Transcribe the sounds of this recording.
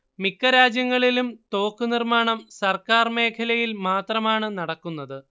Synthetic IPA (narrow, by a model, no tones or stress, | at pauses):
mikːɐɾaːd͡ʑjɐŋːɐɭilumt̪o̞ːkːɨnirmaːɳɐmsɐrkaːrme̞ːkʰɐlɐjilmaːt̪rɐmaːɳɨnɐɽɐkːunːɐðɨ